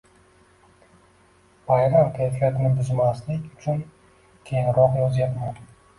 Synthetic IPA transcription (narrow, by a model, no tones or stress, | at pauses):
vajɾamkʲʰajfijat̪nɪbʊzmaslɪkʲʊt͡ʃʰʊn | kʲʰe̞jɪŋɾɒqjɒzjapman